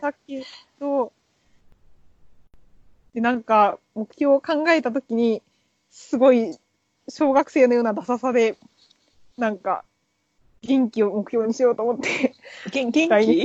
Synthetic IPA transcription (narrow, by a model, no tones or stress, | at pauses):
t̪ak̚e̞d̪̥o̞ | d̪̥e̞nãŋka | mo̞kɯ̟̥çʲo̞ːkãŋɡae̞t̪at̪o̞kʲiɲ̟i | sɨɡo̞i | ɕo̞ːɡakɯ̟̥se̞ːno̞joːnad̪asasad̪e̞ | nãŋka̰ | ɡʲẽŋkʲio̞mo̞kɯ̟̥ço̞ːɲ̟iɕijo̞ːt̪oːmo̞t̪ːe̞ | ai